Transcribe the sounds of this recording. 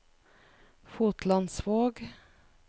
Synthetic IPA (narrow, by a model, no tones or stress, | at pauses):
fuːt̪lɑnsʋoːɡ